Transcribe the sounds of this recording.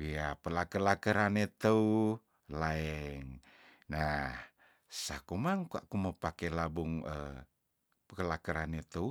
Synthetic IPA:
wiapəlakəlakəɾanet̪əu | laɛŋ | nah | sakomaŋkua̰kuməpakelabuŋə | pəkəlakəɾanet̪əu

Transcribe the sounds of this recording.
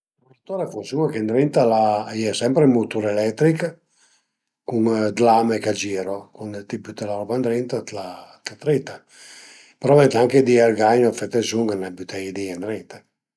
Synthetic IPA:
uɾt̪oɾafusuŋakend̪ɾint̪alajɛsɛmpɾemut̪uɾɛlɛt̪ːɾik | kuŋd̪lamekad͡ʒiːɾokunt̪iput̪elaɾɔpand̪ɾint̪at̪lat̪at̪ɾit̪a | peɾɔvɛnt̪aŋked̪ialɡaɲoafɛt̪ːesuŋanabut̪ʰɛjd̪iɛnd̪ɾint̪a

